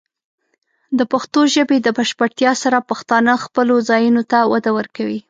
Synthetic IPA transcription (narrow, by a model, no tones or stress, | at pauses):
d̪əpaxt̪oʒəbed̪əbaʃpəɽt̪jɑsaɾapaxt̪ɑnəxpəlozɑjunot̪awad̪awəɾkawi